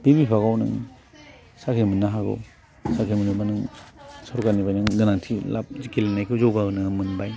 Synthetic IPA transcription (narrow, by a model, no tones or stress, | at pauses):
b̥ibipʰaɣawnɯ̰ŋ | sakʰimɯnːaɦaɡɔ̰ | sakʰimɯnubanɯŋsɔɾukanibajnɯŋdɯnaŋtʰila̰p̚zikelenajkʰuzɔwɡaɯnɯmɯnbaj